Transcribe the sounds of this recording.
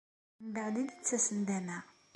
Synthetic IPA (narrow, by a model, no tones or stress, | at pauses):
mbəʕlid̪ət͡sːæsənd̪ænæ